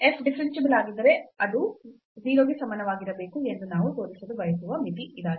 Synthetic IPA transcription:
epʰɖifʰɐɾinʃibɐlaːɡind̪ɐɾe̞ɐd̪u | ziːloːɡisɐmɐnɐʋaːɡiɾɐbeːkuend̪unaːʋut̪o̞ːɾisɐd̪uʋɐjɐt̪uʋɐmipiid̪aːɡi

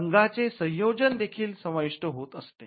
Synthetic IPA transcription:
əŋɡat͡sesə̃j̃jod͡ʑənd̪ekʰiːlsəmaʋiʂʈəɦot̪əst̪ḛ

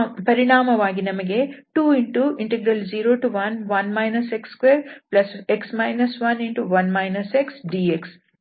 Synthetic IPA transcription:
pɐɾiɳaːmɐʋaːɡinɐmɐɡeʈuːiɳʈuiɳʈeɡɾɐld͡ʒiːɾoːʈuʋɐnʋɐnmɐjnɐsekskʋeːɾplɐseksmɐjnɐsʋɐniɳʈuʋɐnmɐjnɐseksɖiːeks

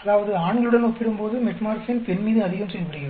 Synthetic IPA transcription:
ɐðaːʋɐðɯaːɳɡɐɭɯɽɐnɔpːɪɾɯmpoːðɯmɛʈmaːɾsɪnpɛnmiːðɯɐðɪɣɐmsɛlːɐpːɐɽɪɣɪɾ

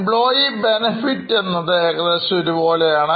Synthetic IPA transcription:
bɭoːjibenefiʈːenːɐðɨekɐlesoɾubo̞ːlejaːɳɨ

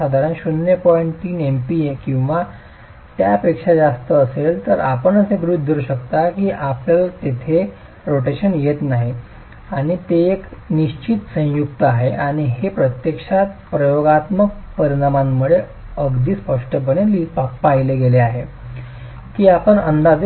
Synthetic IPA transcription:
ad̪ʱaɾanɕunjəpɔiɳʈt̪iːnempiekĩw̃ʋa | t̪japekʂad͡zast̪əːselt̪əɾapəɳəseɡɾud̪d̪ʱuɾɕəkt̪akiːʔapljalt̪et̪ʰe | ɾoʈeɕənjet̪naɦi | aɽ̃it̪eːkniɕt͡ɕit̪sə̃jukt̪əaɦeʔaɽ̃iɦepɾət̪jekʂat̪pɾəjoɡat̪mək̚pəɾinamamːuɽe | əɡd̪iːspəʂʈəp̬əɽ̃elippaɦileɡeleaɦe | kiːapəɳənd̪ad͡z

